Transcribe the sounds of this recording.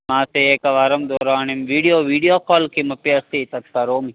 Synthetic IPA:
maːseekɐʋaɾɐmd̪oːɾaːnimʋiːɖijoːʋiːɖijoːkoːlkimɐpjɐsit̪ɐt̪̚kɐɾoːmi

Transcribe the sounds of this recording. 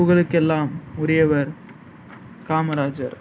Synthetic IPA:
ʊɣɐɭɯkːɛlːaːmʊɾɪjɐʋɐɾ | kaːmɐɾaːd͡ʒɐ̰ɾ

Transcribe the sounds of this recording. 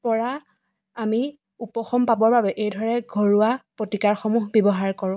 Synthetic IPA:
pɔɹa | ami | upɔxɔmpabɔɹbabɛʔejdʱɔɹɛɡʱoɹuapɹotikaɹxɔmuɦbɔbɔɦaɹkɔɹʊ̃

